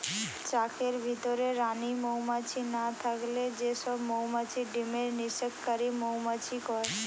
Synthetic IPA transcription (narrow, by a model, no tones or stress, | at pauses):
t͡ʃakeɾbʱit̪ɔɾeɾanimowmat͡ʃʰinat̪ʰakled͡ʒesɔbmowmat͡ʃʰiɖimeɾnisəkːəɾimowmat͡ʃʰikɔɾ